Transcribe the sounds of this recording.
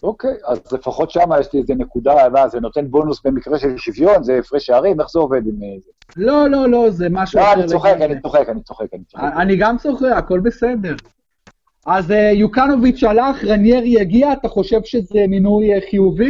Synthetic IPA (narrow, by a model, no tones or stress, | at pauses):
okejazlefaχo̞t̪ʃamajeʃliezenekud̪amazeno̞t̪e̞nbo̞nusbe̞mikʁeʃelʃivjo̞nzeːfʁeʃeaʁimeχzeo̞ved̪imeze | lo̞lo̞lo̞zemaʃuaaniʁsoχekanit͡soχekanit͡soχekanit͡so̥aniɡamt͡so̞χeako̞lbe̞se̞d̪e̞ʁ | azejukano̞vit͡ʃt͡ʃalaχʁanjeʁjaɡiaːt̪aχo̞ʃe̞vʃezeminujχijuvi